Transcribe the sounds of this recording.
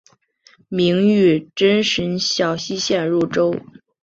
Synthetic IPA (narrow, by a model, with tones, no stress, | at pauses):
mi˧˥ŋy˥˩ʈ͡ʂə˥nʂə˧˥nɕjɑ˨˩ʊɕi˥ɕjɛ˥˧nɻu˥˩ʈ͡ʂo˥ʊ